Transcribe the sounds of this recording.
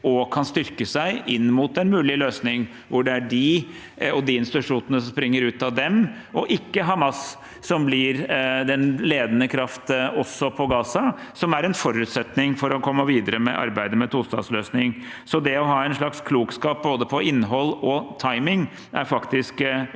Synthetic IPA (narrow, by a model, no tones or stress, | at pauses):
ɔkʰɑnst̪ʏɾkəsæɪʔɪnːmuːt̪ɛnmʉːlɪløːsnɪŋ | ʋʊɖɛæɖɪ | ɔd̪iːɪnst̪ɪt̪ʉʂuːnənəsɔmspɾɪŋːəɾʉːt̪ɑd̪ɛm | ɔʔɪkːəɦɑmɑsː | ɔmblɪɾd̪ɛnleːd̪ənəkʰɾɑft̪ɔsːɔpʰɔɡɑːsɑsɔmæɾɛnfɔɾʉːt̪sɛt̪nɪŋfɔɾɔkʰɔmːəʋiːd̪əɾəmɛ̰ʔɑ̰ɾbæɪd̪əmɛt̪ʰulst̪ɑ̰d̪sløːsnɪŋ | sɔd̪ɛɔɦɑːɛɪnʂlɭɑkskʰluːkskɑːp̚boːd̪əpʰɔʔɪnːɦɔlːɔt̪ʰɑɪmɪŋ | ʔæɾfɑkt̪ɪsk